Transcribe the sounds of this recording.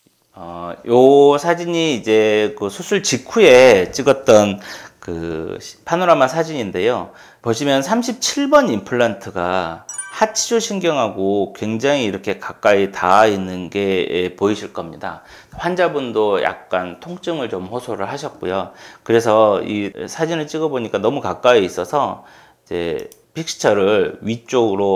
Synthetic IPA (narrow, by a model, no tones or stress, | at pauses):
ʌjosʰad͡ʑiɲiːd͡ʑe̞kɯsʰusʰuɭt͡ɕikʰue̞t͡ɕ͈iɡʌt̚t͈ʌnkɯ̰ɕpʰanoɾamasʰad͡ʑiɲinde̞jo | pʌɕʰimjʌnsʰamɕʰip̚t͡ɕʰiɭbʌnimpʰɯɭːantʰɯɡahat͡ɕʰid͡ʑoɕʰiŋɡjʌŋɦaɡokwe̞ŋd͡ʑaŋiːɾʌkʰe̞kak͈aitainːɯnɡe̞ːpoiɕʰiɭk͈ʌmɲida̰ | ɸwand͡ʑabundoja̰k̚k͈antʰoŋt͡ɕ͈ɯŋɯɭt͡ɕomɸʌsʰoɾɯɭɦaɕʰʌt̚k͈ojokɯɾe̞s̬ʰʌisʰad͡ʑinɯɭt͡ɕ͈iɡʌboɲik͈anʌmukak͈aiːs͈ʌsʰʌ | id͡ʑe̞̰ | pʰik̚sɯ̥t͡ɕʰʌɾɯɭɥit͡ɕ͈oɡɯɾo